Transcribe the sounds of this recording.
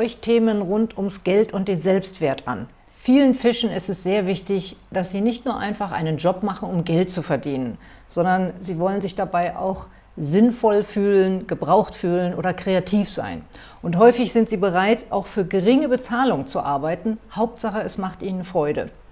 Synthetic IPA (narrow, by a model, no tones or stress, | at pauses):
ɔʏçtʰeːmənʁʊntʊmsɡ̥ɛltʊnt̚d̥eːnzɛlpstv̥eːɐtʔa̰n | fiːlənfɪʃn̩ɪstɛsz̥eːɐvɪçtɪçd̥asz̥iːnɪçtnuːɐʔa̰ɪnfaχʔa̰ɪnənd͡ʒɔpmaχn̩ʊmɡɛltt͡sufɛɐdiːnənz̥ɔndɐnziːvɔlənzɪçd̥abaɪʔa̰ʊx | zɪnfɔlfyːlənɡəbʁaʊxtfyːlənʔoːdɐkʁ̥eatʰiːfz̥a̰ɪn | ʔʊntɦɔʏfɪçz̥ɪntz̥iːbəʁaɪtʔa̰ʊxfyːɐɡəʁɪŋəbət͡saːlʊŋt͡suʔaɐbaɪtn̩haʊp̚tz̥aχəɛsmaχtʔiːnənfʁ̥ɔʏɾə̰